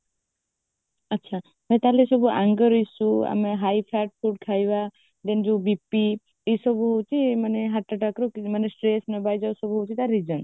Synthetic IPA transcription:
ətːʃʰa | mẽt̪alesɔbua̰ŋɡəɾisua̰meɦajpʰaʈ̚pʰuɖkʰajba | d̪end͡ʒubipːi | esɔbuɦowt͡ʃʰimaneɦaʈːəʈakɾɔimanesʈɾesnəbajd͡ʒawsɔbuɦowt͡ʃʰit̪aɾid͡ʒən

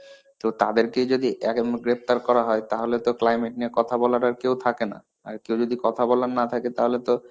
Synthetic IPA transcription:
t̪owt̪ad̪eɾked͡ʑod̪iʔɛkeɡɾep̚t̪aɾkɔɾaɦɔet̪aɦolet̪oklajmeʈ̚niekɔt̪ʰabɔlaɾaɾkewt̪ʰakena̰ | a̰ɾkewd͡ʑod̪ikɔt̪ʰabɔlanat̪ʰaket̪aɦolet̪o

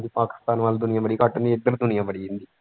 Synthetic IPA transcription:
d̪ipaːkɪ̥st̪aːnʋaːld̪ʊnɪjabəɽiːkaʈːənd̪ieɡəɾd̪ʊnɪjaːʋəɽiːɪnd̪i

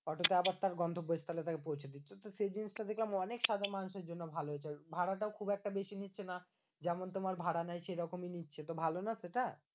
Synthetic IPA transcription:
ɔʈot̪oabaɾt̪aɾɡɔnd̪ʱobːoest̪ʰalet̪akepowt͡ɕʰed̪itːɕʰet̪osed͡ʑinsʈad̪ekʰlamɔnekʃad̪amanuʃeɾd͡ʑonːobʱaloɦot͡ɕʰebʱaɽaʈaokʰubɛk̚ʈabeʃinitːɕʰena | d͡ʑɛmont̪omaɾbʱaɽanajʃejɾɔkominitːɕʰet̪obʱalonaseʈa

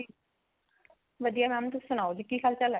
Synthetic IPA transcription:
i | ʋəd̪ijamɛ̃mt̪ʊssʊñaːod͡ʒikiːkʰaːlt͡ʃəla

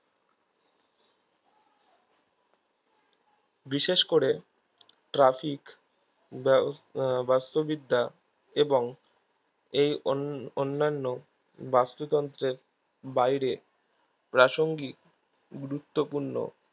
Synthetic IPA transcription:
biʃeʃkoɾe | ʈɾafik | bast̪obid̪ʱːa | eboŋ | ejonːanːo | bast̪ot̪ɔnt̪ɾeɾ | bajɾe | pɾaʃoŋɡi | ɡuɾut̪ːopuɾno̰

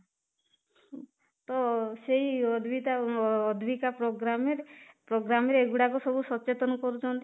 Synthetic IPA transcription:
t̪ɔseɦiɔd̪ʱbit̪aːd̪ʱbikapɾoɡɾameɾepɾoɡɾameɾeeɡuɽakɔsɔbusɔt͡ʃet̪ɔnɔkɔɾut͡ʃʰɔnt̪i

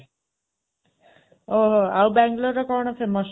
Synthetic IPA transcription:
oɦoawbaŋɡloɾʌkʌɳ̃ʌpʰemʌs

